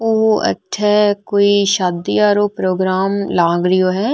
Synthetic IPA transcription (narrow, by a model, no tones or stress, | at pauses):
oɦɐ̰tːʃʰɛkoːiʃaːd̪ijaːɾoːpɾoːɡɾaːmlaːɡɾɪjoːɦɛː